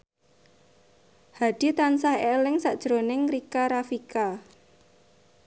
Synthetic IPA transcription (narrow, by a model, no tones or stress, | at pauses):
had̥i̤t̪ansahelɪŋsaʔd̥ʒ̥ɾonɪŋɾikaɾafika